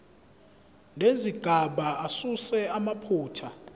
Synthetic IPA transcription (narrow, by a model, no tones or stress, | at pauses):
nʱeziɡ̥ʱaɓaasusɛamapʰuːtʰa